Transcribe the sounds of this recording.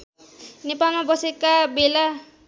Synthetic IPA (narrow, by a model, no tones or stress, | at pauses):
nepalmabʌsekabela